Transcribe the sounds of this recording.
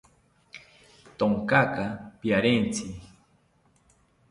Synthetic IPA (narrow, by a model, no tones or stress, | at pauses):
t̪oŋkakapiaɾent͡si